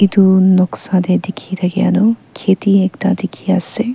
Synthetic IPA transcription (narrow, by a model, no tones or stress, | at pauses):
id̪unɔksad̪ed̪ekʰit̪ʰɐɡea̰nukʰet̪iekʈad̪ekʰiase